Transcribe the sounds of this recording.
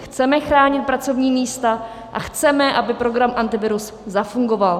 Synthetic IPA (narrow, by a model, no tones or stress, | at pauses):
xt͡sɛmɛxɾaːɲɪt̪̚pɾat͡so̞vɲiːmiːst̪a | ʔa̰xt͡sɛmɛʔabɪpɾo̞ɡɾamʔant̪ɪvɪɾus | zafuŋɡo̞val